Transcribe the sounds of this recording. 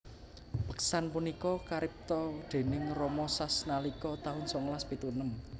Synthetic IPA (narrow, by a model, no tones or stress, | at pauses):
pəksanpunikɔkaɾɪp̚t̪ɔd̪̥e̤nɪŋrɔmɔsasnalikɔt̪aʊnsɔŋlaspit̪unəm